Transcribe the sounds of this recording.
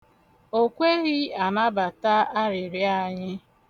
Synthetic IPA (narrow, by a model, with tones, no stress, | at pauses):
o˦kʷe˦ɣɪ˦a˨na˦ba˨ta˦a˦ɾɪ˨ɾja˦˨ɲɪ˦